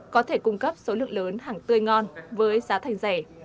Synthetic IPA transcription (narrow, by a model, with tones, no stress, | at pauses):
kɔ˨˦t̪ʰe˧˩kʊ˧ŋ͡mkə˦˥p̚so˨˦lɨ̰˧˨əŋləː˨˦nɦaː˨˩ŋt̪ɨ˧əjŋɔ˧nvəː˨˦jzaː˨˦t̪ʰa˨˩jŋ̟za˧˩